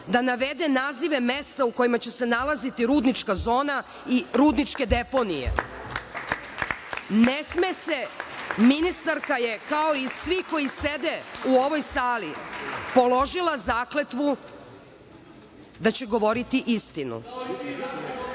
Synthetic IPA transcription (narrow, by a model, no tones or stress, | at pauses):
d̪anaʋe̞d̪enaːziʋe̞mest̪auko̞jimat͡ɕe̞se̞nalˠazit̪iɾuːd̪nit͡ʂkazo̞ːna | iɾuːd̪nit͡ʂke̞d̪epo̞nijḛ | nesmese̞minist̪aɾkaje̞kao̞isʋiko̞jised̪euo̞ʋo̞jsaːlipo̞lo̞ʒilˠazaːkle̞t̪ʋu | d̪at͡ɕe̞ɡo̞ʋo̞ɾit̪iʔist̪inṵ